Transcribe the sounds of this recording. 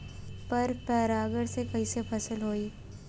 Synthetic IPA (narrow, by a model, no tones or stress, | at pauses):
pɐɾpɛːɾaːɡəɽsekɐɦisepʰɐsəlɦoːiː